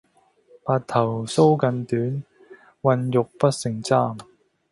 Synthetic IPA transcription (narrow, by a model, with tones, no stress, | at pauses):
paː˧t̚t̪ʰɐ˨˩wso˥wkɐ˧nt̪yː˨˥n | wɐ˧njʊ˨k̚pɐ˥t̚sɪ˨˩ŋt͡saː˥m